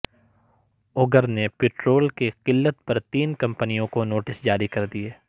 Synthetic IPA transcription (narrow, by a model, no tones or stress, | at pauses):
ʊɡəɾnepɪʈɾoːlkeqɪlːət̪pɐɾt̪iːnkɐ̃mpənijõkonoːʈɪsd͡ʒaːɾikɐɾd̪ieː